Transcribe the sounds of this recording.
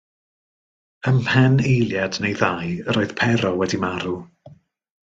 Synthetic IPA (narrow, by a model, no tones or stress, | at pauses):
əmhɛnejlˠjadnejðajəɾoːɨð̥pʰɛɾɔwɛdimaɾu